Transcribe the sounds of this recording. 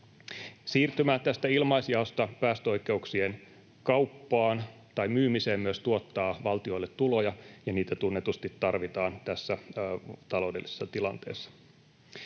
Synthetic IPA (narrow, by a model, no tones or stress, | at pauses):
siːrt̪ymæːt̪æst̪æilmɑjsjɑost̪ɑpæːst̪øo̞jkˑe̞uksien | kɑwpːɑːn | t̪ɑjmyːmiseːmmyøst̪uot̪ːɑːʋɑlt̪io̞ilːet̪ːulo̞jɑjɑniːt̪æt̪unːet̪ust̪it̪ːɑrʋit̪ɑːnt̪æsːæt̪ɑlo̞wde̞lise̥sːɑt̪ilɑnt̪e̞̰ːsːɑ̥